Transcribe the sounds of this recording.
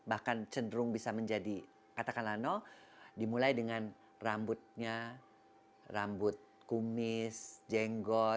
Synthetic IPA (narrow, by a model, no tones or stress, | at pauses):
bahkant͡ʃəndəɾʊŋbisaməɲd͡ʒadi | kat̪akanlanɔdimulajdəŋan | rambʊt̪̚ɲa | rambʊt̪̚ | kumɪsd͡ʒɛŋɡɔ